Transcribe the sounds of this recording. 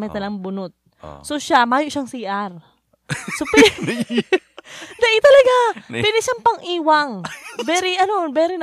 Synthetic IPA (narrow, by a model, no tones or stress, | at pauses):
mɐjt̪ɐlɐɡaŋbʊnot̪̚ | soʃamaːjoʔʃaŋsiːʔaɾ | sopɛ | d̪ɐʔɪt̪ɐlɐɡapɛlɪʃaŋpɐŋʔiːwaŋbɛɾiʔɐnobɛːɾɪn